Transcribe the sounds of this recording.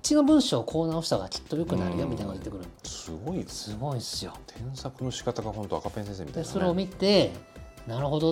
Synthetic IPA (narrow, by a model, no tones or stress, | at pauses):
t͡ɕino̞bɯ̟̃ɰ̃ɕo̞ːkʰo̞ːnaoɕi̥saɡat͡ɕo̥t̪ːojo̞kɯ̟naɾɯ̟jomʲit̪ainojet̪ːe̞kɯ̟ɾɯ̟̃sɨɡo̞isɨɡo̞isɨjo̰t̪ʰẽ̞ɰ̃sakɯ̟no̞ɕi̥kat̪aɡaɦõ̞nt̪oakapẽsẽsemit̪d̪esoɾeomʲit̪e̞naɾɯ̟ɦo̞d̪o